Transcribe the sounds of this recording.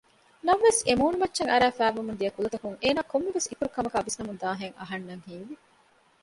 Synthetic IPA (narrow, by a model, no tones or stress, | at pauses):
nɐmʋesemuːnumɐtːʃɐŋɐɾæːfæːʋumund̪ijɐkulɐt̪ɐkuŋeːnaːkomːiʋesikuɾukɐmɐkaːʋisnɐmund̪aːɦeŋɐ̰ɦɐnːɐŋhiːʋi